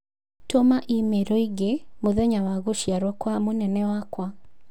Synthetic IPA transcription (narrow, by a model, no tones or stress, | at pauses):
tomaʔimeɾɔiɡemoðɛɲawaɣoʃjaɾwɔkwamonɛnɛwakwa